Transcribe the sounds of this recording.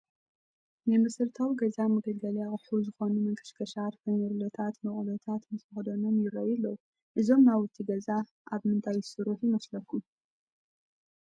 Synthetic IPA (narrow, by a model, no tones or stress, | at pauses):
nɨmɨsɨɾt̪ʰawiɡɐzamɐɡɐlɡɐljakʼɨħuzɨxo̞numɐŋkʰʼɨ̥ʃkʰɐʃat̪fɐnɐɾlot̪ʰat̪mɨχʼlot̪ʰat̪mɨsmɨxd̪ono̞mjɪɾoilːɐwu | ʔɨzo̞mnaβɨt̪ʰːiɡɐza | ʔaβmɨnt̪ʰajːsɨɾuħjɪmɐslɐkʰːu